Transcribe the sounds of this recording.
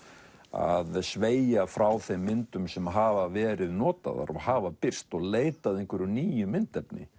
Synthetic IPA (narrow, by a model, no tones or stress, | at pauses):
a̰ðsveːjjafɾawθejmːɪnt̪ʏmsɛmɦaːvavɛːɾɪðnɔːt̪a̰ða̰ɾɔɣhaːvapɪr̥t̪ɔɣleːjt̪aðejŋkvʏɾʏniːjʏmɪnt̪ɛpnɪ̰